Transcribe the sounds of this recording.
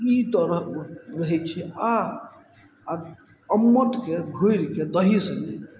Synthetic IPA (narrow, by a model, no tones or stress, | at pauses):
it̪əɾəɦɾəɦɛt͡ʃʰɛa | əmːəʈkebʱoɾked̪əɦisənlɛ̰